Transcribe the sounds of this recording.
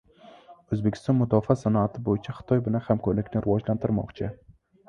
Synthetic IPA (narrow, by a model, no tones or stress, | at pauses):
ɵzbekʲʰɪ̥st̪ɒnmʊd̪ɒfasanɒat̪ʰɪbojɪt͡ʃʰaχɨ̥t̪ʰɒjbɪlahamkʰɒɾlɪkʲnɪɾɪwɒd͡ʒlant̪ʰɪɾmɒ̰qt͡ʃʰɪ